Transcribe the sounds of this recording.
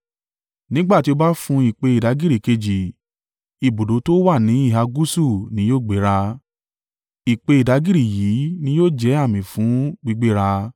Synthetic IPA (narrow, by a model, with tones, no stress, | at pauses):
nĩ˦ɡ͡ba˦˨ti˧˦o˧ba˦fũ˧i˨k͡pe˧i˨da˨˦ɡi˦ɾi˨ke˧d͡ʒi˨ | i˨bo˨do˨˦to˦wa˦˨nĩ˨˦i˦˨ɦa˧ɡu˦su˦˨nĩ˨˦joː˦˨ɡ͡be˨˦ɾa˧ | i˨k͡pe˧i˨da˨˦ɡi˦ɾi˦˨jiː˨˦nĩ˧˦joː˦˨d͡ʒɛ˨˦a˦˨mĩ˨fũ˨˦ɡ͡bi˦˧ɡ͡be˦ɾa˧